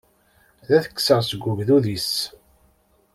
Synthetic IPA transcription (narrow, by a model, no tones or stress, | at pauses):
ðæθə̥kːsəʁsəɡʷːuvðuðis